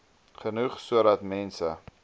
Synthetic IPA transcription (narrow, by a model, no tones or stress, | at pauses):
χənuχsuəɾɐt̪mɛnsə